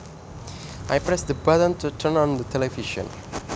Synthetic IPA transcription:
ʔajpɹɛsd̪əbədə̃ntutʰə̃nɔ̃nd̪ətʰɛlɛviʃə̰̃n

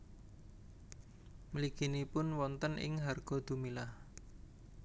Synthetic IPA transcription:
məliɡ̥i̤nipʊnwɔnt̪ənʔɪ̰ŋɦarɡ̥ɔ̤d̪̥ṳmilah

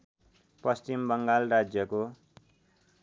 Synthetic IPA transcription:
pʌst͡ɕimbʌŋɡalrad͡zjʌko

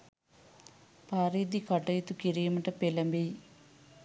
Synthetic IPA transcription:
paːɾiːd̪ikɐʈːɐjit̪ukiɾijɐmɐʈɐpelɐmbej

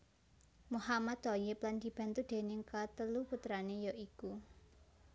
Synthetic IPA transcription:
muhamad̪̥ɔjɪpland̪̥i̤b̥ä̤nt̪ud̪̥e̤nɪŋkat̪əluput̪ɾanejɔʔiku

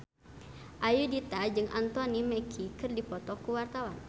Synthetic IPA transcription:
ʔajudit̪ad͡ʒɨŋʔant̪ɔnimɛkʰikɨrdipɔt̪ɔkuwart̪awan

